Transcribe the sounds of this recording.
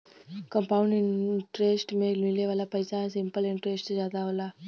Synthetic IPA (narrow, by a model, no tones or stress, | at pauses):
kɐmpɐwuɳɖiʈɾesʈmemileʋɐlːɐpɐjsaːnɐsimpɐliɳʈɾeːsʈd͡ʒaːd̪aːʋula